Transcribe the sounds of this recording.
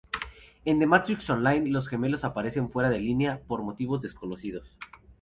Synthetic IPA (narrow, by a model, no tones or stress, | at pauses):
e̞nd̪emat̪ɾiksonlajnlo̞sxe̞me̞lo̞sapaɾe̞se̞ɱfwe̞ɾaðe̞lineapo̞ɾmo̞t̪iβo̞zðe̞sko̞no̞sið̞o̞s